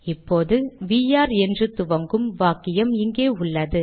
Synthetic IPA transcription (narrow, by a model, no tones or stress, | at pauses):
ɪpːoːðɯʋiːjaːɾɛndrɯt̪ʊʋɐŋɡɯmʋaːkːɪjɐmɪŋɡeːʊɭːɐðɯ